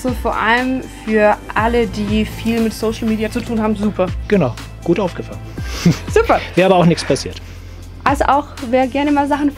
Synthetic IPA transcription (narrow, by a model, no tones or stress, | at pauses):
z̥ofoːɐʔaləmfyːɐʔalədiːfiːlmɪtsoʊʃl̩miːdiat͡sutʰuːnhaːbm̩zuːpʰɐɡ̥ənaʊ | ɡ̥uːtʔaʊfɡ̥əfalənz̥uːpɐvɛːɐabɐaʊxnɪçspʰasiːɐt | ʔalzoʔaʊxveːɐɡɛɐnəmaːlzaχn̩f